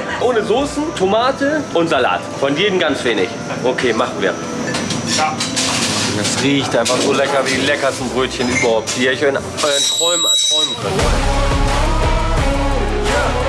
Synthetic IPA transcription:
ʔoːnəzoːsn̩tʰomaːtəʔʊntz̥ala̰ːtfɔnjeːdm̩ɡant͡sv̥eːnɪ̰ç | ʔokʰeːmaχn̩vḭːɐ | dasʁiːçtʔaɪnfaχz̥oːlɛkɐviːdiːlɛkɐstn̩bʁøːtçənyːbɐhaʊp̚tv̥iɐçn | ntʁ̥ɔʏmtʁ̥ɔʏmənkʰœntɔ | a

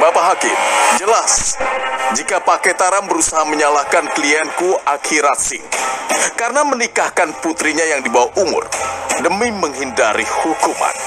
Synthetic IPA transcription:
bapaɦakɪd͡ʒəlas | d͡ʒikapakɛt̪aɾambəɾusaɦaməɲalahkankliɛnkuʔakʰiɾat̪̚sɪ̰hkarɾənamənikahkanput̪ɾiɲajaŋdibawahʔumʊ̰rdəmiməŋɦindaɾihukuma̰n

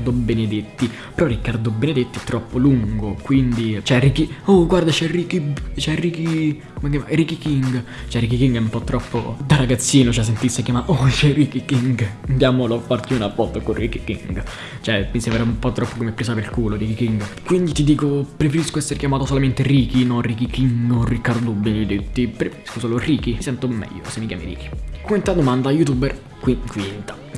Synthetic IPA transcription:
d̪obened̪et̪ːi | peɾɔrːikːard̪obened̪et̪ːiɛt̪ːɾɔpːoluŋɡokwind̪it͡ʃɛrikioɡward̪at͡ʃɛrikit͡ʃɛriki | komek̬jamarikikiŋɡ | t͡ʃɛrikikiŋɡɛumpɔt̪ːɾɔpːo̰d̪araɡat̪sːiːnot͡ʃɛs̬ːent̪isːekjamaʔot͡ʃɛrikikiŋɡnd̪jaːmolofːart̪iunavːɔlt̪okorikikḭŋɡ | t͡ʃoɛminsɛmbɾaumpɔt̪ːɾɔpːokomepːɾeːsapeɾikuːloɾikikiŋɡkwind̪it̪id̪iːkopɾefeɾiskoɛsːeɾekjamaːt̪osolament̪eɾiːkinɔnrikikiŋɡorikːaɾd̪od̪ubːinid̪it̪ːipɾefeɾiskosɔːloriːk̟isɛnt̪omːɛ̰ʎːo̰semːikja̰mḭɾḭːki̥kuent̪ad̪omand̪ajut̪uːbɛr | kwikwint̪ḁ

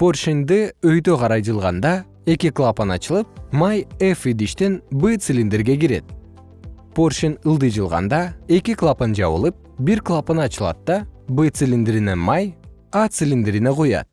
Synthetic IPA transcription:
po̞rʃind̪ɨøjt̪øqʰɑɾɑjd͡ʒɯlˠʁɑnd̪ɑ | e̞kʲiklˠapənɑt͡ʃɯlˠɯp̚majefid̪iʃt̪enbɨt̪sɨlʲind̪eɾɡe̞ɡiɾe̞̰t̪̚ | porʃinɯlˠd̪ɯjd͡ʒɯlˠʁɑ̰nd̪ɑe̞kʲiklˠapənd͡ʒɑ̰βɯ̰lˠɯp̚biɾklˠapənɑt͡ʃɯlˠɑ̰t̪̚d̪ɑbɨt̪sɨlʲind̪eɾine̞nmaj | at̪sɨlʲind̪eɾinequjɑ̰t̪̚

